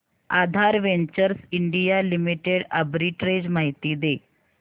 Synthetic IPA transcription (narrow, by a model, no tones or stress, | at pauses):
ad̪ʱaɾʋeɲt͡ɕəɾsiɳɖijalimiʈeɽəbɾiʈɾed͡ʑmaɦit̪iːd̪e